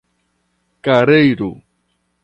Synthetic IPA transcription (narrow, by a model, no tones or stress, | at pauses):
kaɾejɾu